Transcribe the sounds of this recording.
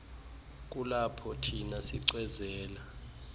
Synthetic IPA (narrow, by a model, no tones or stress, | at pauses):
k̬ʼulapʰɔtʰinasiǀwɛzɛːla